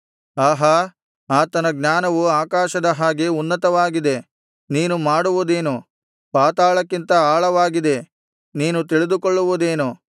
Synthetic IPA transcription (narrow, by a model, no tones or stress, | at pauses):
aːɦɐ | aːt̪ɐnɐɡnaːnɐʋuaːkaːʃɐd̪ɐɦaːɡe̞unːɐt̪ɐʋaːɡid̪e̞ | niːnumaːɽuʋud̪e̞ːnu | paːt̪aːɭɐkːint̪ɐaːɭɐʋaːɡid̪e̞ | niːnut̪iɭid̪ukoɭːuʋud̪e̞ːnu